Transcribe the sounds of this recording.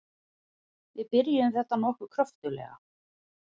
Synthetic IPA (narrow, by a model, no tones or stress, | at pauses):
vɪðpɪɾjɪʏmθɛht̪ːanɔhkʏkʰɾœft̪ʏlɛ̰ːɣa̰